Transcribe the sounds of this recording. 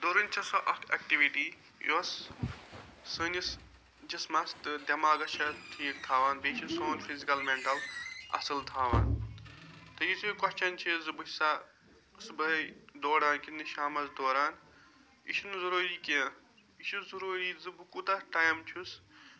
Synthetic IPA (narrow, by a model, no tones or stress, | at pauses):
d̪oːɾɨnʲt͡ʃʰɐsoʔɐt̪ɐ̰k̚ʈiʋiʈiː | ḭʋɐs | ɨnʲis | d͡ʒɐsmɐst̪ɨd̪ʲɐmaːɡɐt͡ʃʰɐt̪ʰijikt̪ʰaːʋaːnbeːt͡ʃʰisoːnpʰizikɐlmeɳʈɐlɐ̰sɨlt̪ʰaːʋa̰ːn | t̪ɐjisukɔʃt͡ʃʰɐnt͡ʃʰizɨbɨsa | sɨbɐd̪oːɽaːnkinɨʃaːmɐzd̪oːɾaːn | ḭʃʰunzɐɾoːɾiːkẽ | iʃʰuzuɾuːɾiːzɨbɨkut̪ɐʈaːjmt͡ʃʰus